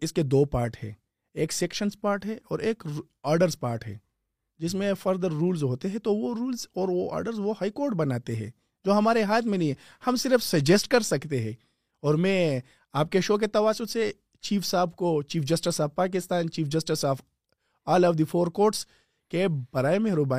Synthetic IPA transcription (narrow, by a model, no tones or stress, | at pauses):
ɪsked̪oːpaːɾʈɦɛ̰̃ː | eːkseːkʃənspaːɾʈɦɛ̃ɔ̰ːɾeːk | ɔːɾɖəɾzpaːɾʈɦɛ̰ː | d͡ʒɪs̬mẽfɐɾd̪əɾːuːlzɦoːt̪eɦɛ̃t̪oʋoɾuːlzɔːɾʋoa̰ːɾɖəɾzʋohaːikoːɾʈ̚bɐnaːt̪eɦɛ̰̃ː | d͡ʒoːɦɐmaːɾeɦaːt̪ʰmẽnɐɦĩɦɛ̃ | hɐmsɪɾəfsɐd͡ʒesʈkɐɾsɐkt̪eɦɛ̃ | ɔːɾmɛ̃ | aːp̚keʃoːk̬et̪ɐʋaːsʊse | t͡ʃiːfsaːbʱkot͡ʃiːfd͡ʒɐsʈɪsaːfpaːk̬ɪst̪aːnt͡ʃiːfʰd͡ʒɐsʈɪsaːf | aːlɔʋd̪ifʰoːɾkoːɾʈs | keb̥ɐɾaːemẽɦɾʊbaː